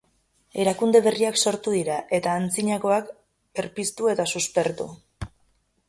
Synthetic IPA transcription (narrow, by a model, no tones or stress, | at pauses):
e̞ɾakund̪e̞βe̞riakso̞ɾt̪uðiɾaʔe̞t̪aːnt͡siɲako̞ak | eɾpist̪ue̞t̪asuspe̞ɾt̪ṵ